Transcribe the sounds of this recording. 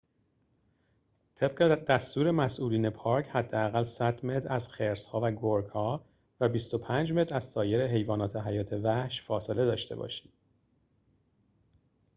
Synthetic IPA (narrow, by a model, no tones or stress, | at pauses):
t̪ʰe̞b̚ɢed̪æst̪uːɾe̞mæsʔuːliːne̞pʰɒːɾcʰhæd̪ːeæɣælsæd̪me̞t̪ʰɾæz̥xeɾshɒːvæɡoɾɡhɒː | væbist̪o̞pʰænd͡ʒme̞t̪ɾæzsɒːje̞ɾe̞ɦe̞jvɒːnɒːt̪ʰe̞ɦæjɒːt̪ʰe̞væhʃfɒːse̞le̞d̪ɒːʃt̪e̞bɒ̰ʃi̥ːm